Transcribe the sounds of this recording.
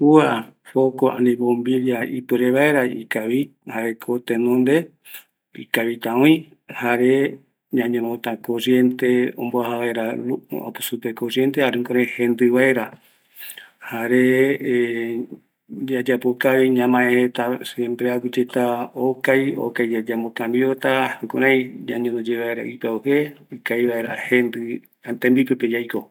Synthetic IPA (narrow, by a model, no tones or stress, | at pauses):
uafokoʔã̰nĩbõmbiliaipɨɾeβaeɾaḭkaβi | haɾekʰot̪ẽnõnd̪e̞ | ḭkaβit̪ãõĩ | haɾe̞ | ɲãɲẽmot̪ãkoɾje̞nt̪eõ̰mboahaβaeɾauo̰pusupekoɾje̞nt̪ehaɾũŋkoɾehẽnd̪ɨβaeɾa | haɾe | d͡ʒad͡ʒapokaβiɲãmãẽhet̪asempɾeawid͡ʒet̪aokajo̰kajd͡ʒad͡ʒamokãmbiot̪ahukuɾaj̃ɲãɲõnod͡ʒeβaeɾa̰ʔipaoheikajβaeɾahend̪ɨ | t̪ẽmbipeped͡ʒajko